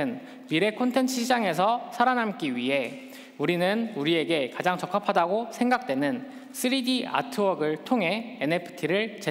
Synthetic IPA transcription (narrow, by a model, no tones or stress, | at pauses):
ɯn | miɾe̞kʰontʰe̞nt͡ɕʰɯɕʰid͡ʑaŋe̞s̬ʰʌsʰaɾanamk͈iɥiɦe̞ | uɾinɯnuɾie̞ɡe̞kad͡ʑaŋt͡ɕʌk͈ʰapʰadaɡosʰeŋɡak̚t͈we̞nɯn | s͈ʰɯɾidiʔa̰tʰɯʌɡɯɭtʰoŋɦe̞ene̞pʰɯ̥tʰiɾɯɭt͡ɕe